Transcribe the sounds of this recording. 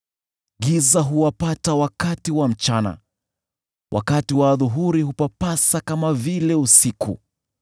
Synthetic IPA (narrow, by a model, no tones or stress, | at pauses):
ɡizaɦuwapatawakatiwam̩t͡ʃana̰ | wʔa̰katiwaːðuɦuɾihupapasakamavilɛusikṵ